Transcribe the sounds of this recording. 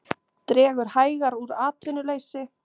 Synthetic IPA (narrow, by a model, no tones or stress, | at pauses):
t̪ɾɛːɣʏɾ̥haːjɣaɾuɾaːt̪vɪnʏleːjsɪ